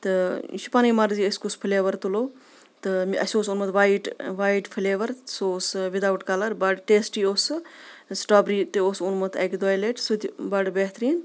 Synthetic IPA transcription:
t̪ɨʃi̥panɐjmɐɾziəsʲkuspʰileːʋɐɾt̪uloː | t̪ɨmʔɐ̰sʲoːsunmɐt̪ʰʋaːjiʈʋaːjiʈpʰɨleːʋɐɾsoːsʋid̪aːʋɐʈkalɐɾbɐɖʈeːsʈioːssʈaːbɾiːt̪ɨoːsunmɐt̪ʰɐ̰kd̪oːjleːʈsut̪ʲbɐɖbeɦt̪ɾiːn

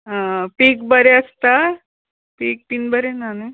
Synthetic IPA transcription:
apiːkbəɾeəst̪a | piːk̚piːnbəɾenane

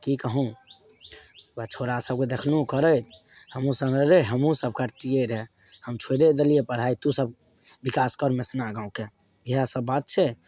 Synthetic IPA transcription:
kikəɦũ | bət͡ʃʰoɾasəb̚ked̪ekʰlũkəɾəjt̪həmũsə̃ŋɡeɾeɦəmũsəb̚ʱkaɾt̪ijeɾɦɛ | həmt͡ʃʰweɾed̪əlijepəɽ̤ɦait̪usəb̚ | bikaskəɾmesnaɡãũke | biɦasəbːat̪̚t͡ʃʰɛ

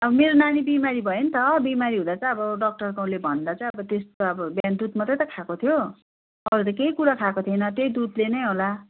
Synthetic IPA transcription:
ʌbʌmeɾonanibimaɾibʱʌjent̪ʰʌbimaɾiɦũd̪at͡sʌ̃j̃ʌbʌɖʌk̚ʈʌrkaw̃lebʱʌnd̪at͡sʌ̃ĩʌbʌt̪est̪oʌbʌbjand̪ut̪mʌt̪ʌjt̪ʌkʰakot̪ʰjo | ʌɾut̪ʌkeikuɾakʰakot̪ʰiʌnʌt̪ejd̪ud̪lenʌjɦola

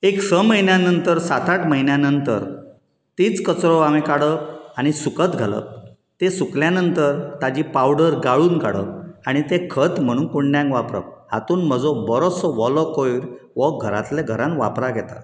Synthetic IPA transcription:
eksəməɦinjanənt̪əɾsat̪ʰaʈməɦinjanənt̪əɾ | t̪iːt͡skət͡sɾɔamekaɽəaɽ̃isukət̪ɡʱalə̰ | t̪esukljanənt̪əɾt̪ad͡ʑipawɽəɾɡaɭuːnka̰ɽə̰aɽ̃it̪ekʰət̪m̤əɽ̃uːnkuɳɖjãŋkʋapɾə̰hat̪uːnməd͡zɔbəɾosɔʋɔlɔkojɾʋɔɡʱəɾa̰t̪leɡʱəɾãnʋa̰pɾaɡʱɛt̪a̰

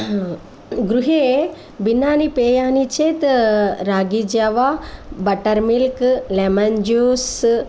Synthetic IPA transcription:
ɡɾuɦe | binaːnipeːjaːnit͡ʃʰet̪ɾaːɡid͡ʒaʋabɐʈɐɾmilklemɐnd͡ʒoːs

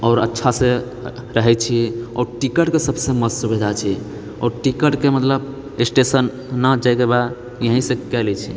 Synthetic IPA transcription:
ɔːɾətːʃʰasẽ | ɾəɦɛt͡ʃʰiɔ̰ːɾʈikəʈkesəbsẽməd͡ʒsubid̪ʱat͡ʃʰi | ɔ̰ɾʈikəʈkemət̪ləb | esʈesənː | əd͡ʒajkeba | jəɦĩsẽkɛlɛt͡ʃʰi

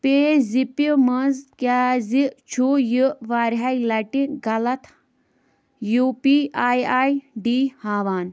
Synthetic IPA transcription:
peːzipimɐzkʲaːzit͡ʃʰujɨʋaːɾɦailɐʈinɡɐlɐt̪ʰ | juːpiaːjaːjɖiːhaːʋaːn

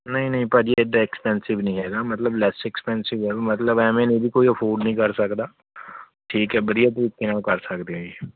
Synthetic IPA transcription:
nɐɦĩnəɦĩpaːd͡ʒieed̪aɪkspɛ̃ːnsɪʋnəɦĩːɦɛːɡaːmət̪ləblɛːsɛkspɛːnsɪʋɛːbmət̪ləbɛ̃ːmẽːnẽbiːkoːiəpʰoːɾɖnəɦĩːkəɾsəkd̪aː | ʈʰiːkɦɛːbəd̪ijaːt̪̬əɾiːkenãːkəɾsəkd̪eaeː

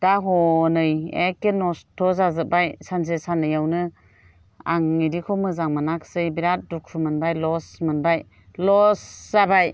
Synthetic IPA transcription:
d̥aɦɔnɯjekenɔstʰɔzazɯbajsansesanɯjawnɯ | a̰ŋiɾikʰɔmɯzaŋmanakʰsɯjbiɾat̚dukʰɾɯmɯnbajlɔsmɯnbaj | lɔszabaj

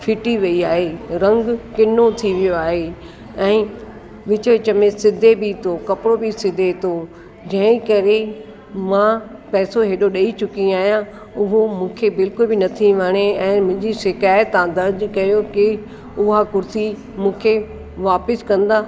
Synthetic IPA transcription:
fʰɪʈiʋɐiaːɦeɾɐ̃ŋɡkɪnot̪ʰiʋijoaːɦe | ɛ̃ː | ʋɪt͡ɕəʋɪt͡ɕə̆mẽsɪd̪ʱːebɪt̪ʰokɐpɪɽobɪsɪd̪ʱːet̪ʰo | d͡ʑɐ̃ɦɪ̃kɐɾe | mãpɛːsoɦeːɗoɗɐit͡ɕʊkĩaːɦjã | ʊɦomũːkʰebɪlkʊlbɪnɐt̪ʰiʋɐɽ̃eɛ̃ːmʊ̃ɦɪ̃ɲd͡ʑiʃɪkaːjət̪ãd̪ɐɾd͡ʑkɐjokɪ | ʊɦakʊɾsi | mũːkʰe | ʋaːpɪskɐ̃nd̪aː

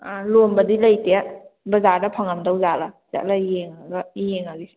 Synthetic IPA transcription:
lombɐdilɐjteabɐzaɾdɐpʰaŋamdawzalaza̰ʔ̚lajeŋaɡajeŋaɡi

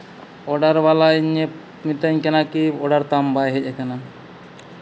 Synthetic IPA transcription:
ɔɖaɾbalaɲe | mit̪aɲkɛnakiɔɽaɾt̪ambajɦecekana

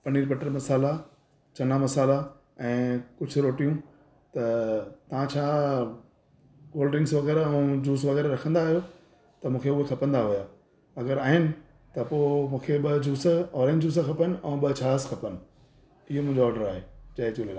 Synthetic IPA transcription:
pɐniːɾpɐʈəɾmɐsaːla | t͡ɕɐnamɐsaːla | ɛ̃ːkʊd͡ʑʱʊ̆ɾoːʈijũ | t̪ɐt̪ɐʋ̤ãt͡ɕʰaː | koːlɖɾɪ̃ŋɡsʋɐɣɛːɾɛ̃ũd͡ʑuːs̬ʋɐɣɛːɾɾɐkʰə̃nd̪aːɦijo | t̪ɐmũːkʰeʊɦekʰɐpə̃nd̪aɦujaː | ɐɡəɾaːɦɪnɪ̆ | t̪ɐpoːmũːkʰeɓɐd͡ʑuːsɔːɾẽːɲd͡ʑd͡ʑuːs̬əkʰɐpənɪ̆ɛ̃ːɓɐt͡ɕʰaːskʰɐpənɪ̆ | ɪɦomũɪ̃ɲd͡ʑoɔːɾɖəɾaːɦeːd͡ʑɐːet͡ɕuːlelaː

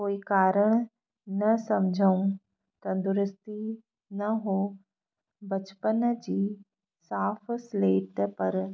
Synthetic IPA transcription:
koːikaːɾəɽ̃ | nɐsɐmd͡ʒʱaũ | t̪ɐnd̪ʊɾɪst̪i | nɐɦoː | bɐt͡ʃpənd͡ʒiː | saːpʰsleːʈpɐɾ

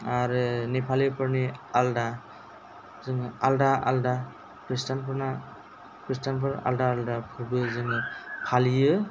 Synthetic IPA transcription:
aɾɯnipʰalipʰɯɾnialda | zɯŋaldaʔa̰lda | kɾistʰanpʰɯɾna | kɾis̬tanpʰɯɾa̰ldaːldapʰɯɾbɯzɯŋɯpʰalijɯ

